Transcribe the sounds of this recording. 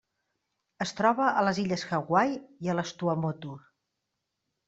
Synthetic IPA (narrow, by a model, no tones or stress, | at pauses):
əst̪ɾɔβəʔələziʎəsxəɣwajiələst̪uəmot̪u